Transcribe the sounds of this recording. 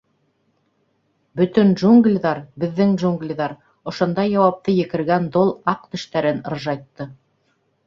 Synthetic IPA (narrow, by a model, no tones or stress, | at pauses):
bɵ̆t̪ɵnʒuŋɡlʲðɑɾbɘ̆ðːɘŋʒuŋɡlʲðɑɾ | ŏʃŏnd̪ɑjɑwɑp̚t̪ɤjɘ̆kɘ̆ɾɡænd̪olˠɑqt̪ɵ̆ʃt̪æɾɘnŏɾʒɑjt̪ːɤ